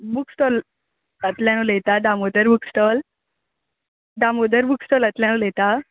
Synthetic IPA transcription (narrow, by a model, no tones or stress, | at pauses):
buksʈɔl | ət̪ljañolet̪aɖamod̪əɾbuksʈɔl | ɖamod̪əɾbuksʈɔlət̪ljanulet̪a